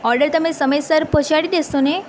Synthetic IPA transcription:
ɔɾɖəɾt̪əmesəməjsəɾpət͡ɕaɽid̪est̪one

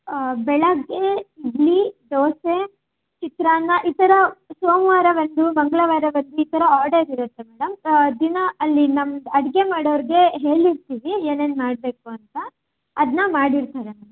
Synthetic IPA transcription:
bɛɭɐɡːeiɡliɖ̪oːse | t͡ʃit̪ɾaːnːɐʔit̪ɐɾɐsoːmʋaːɾɐʋɐnd̪umɐŋɡɐɭɐʋaːɾɐʋɐnd̪uit̪ɐɾɐaːɾɖɐɾiɾut̪ːe̞mɛːɽɐmd̪inɐɐlːinɐmɐd̪ɐɽɡe̞maːɽɐʋɐɾiɡe̞ɦe̞ːɭiɾt̪iːʋieːne̞ːnmaːɽbe̞ːkuɐnt̪ɐː | d̪nɐmaːɽiɾt̪aːɾemɐɐ

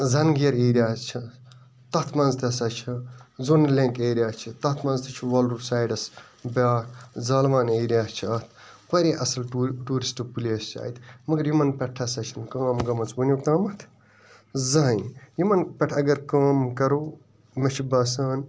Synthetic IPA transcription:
zɐnɡiɐɾeːɾijaːst͡ʃʰi | t̪ɐt̪ʰmɐnzt̪ʰɐsɐt͡ʃʰizonɐlẽŋkeːɾjaːst͡ʃʰit̪ɐt̪ʰmɐnzt̪ʰit͡ʃʰiʋɐlusaːjɖɐs | baːtʰzaːlʋaːneːɾijaːst͡ʃʰiɐt̪ʰ | pɐɾʲiʔɐsɐlʈuːɾisʈɨpulʲeːst͡ʃa̰ːit̪ʰmɐɡɐɾjimɐnpʲɐʈʰːɐsɐt͡ʃʰinkaːmɡɐmɐt͡sbɐnʲukaːmɐt̪ʰ | zɐnjimɐnpʲɛʈʰɐɡɐɾkaːmkɐɾoː | mɐt͡ʃʰibɐsaːn

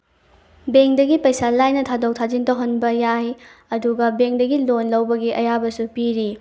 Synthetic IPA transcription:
beŋdɐɡipɐjsalajnɐtʰadok̚tʰad͡ʒintowɦɐnbɐjajɐduɡɐbeŋdɐɡilonlɐwbɐɡiʔɐjabɐsupiɾi

